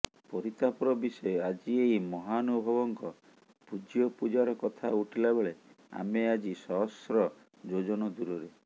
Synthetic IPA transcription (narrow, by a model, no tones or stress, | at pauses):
pɔɾit̪apɔɾɔbisɔead͡ʒiejmɔɦanubʱɔbɔŋkɔ | pud͡ʒjɔpud͡ʒaɾɔkɔt̪ʰauʈʰilabeɭe | a̰mead͡ʒisɔɦɔsɾɔ | d͡ʒod͡ʒɔnɔd̪uɾɔɾe